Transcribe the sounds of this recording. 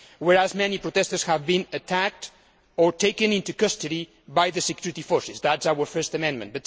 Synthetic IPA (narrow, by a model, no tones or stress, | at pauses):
wɛɹazmɛnipɹot̪ɛstəɹshævbĩnətʰæk̚t̪ | ɔɹtʰejkɨ̃nɪ̃nt̪ukʌst̪ɨɾi | bajðəsekjuɾit̪ifɔɹsɪsðætsawə˞fɜ˞st̪əmɛ̃nmə̃ntb̥ʌt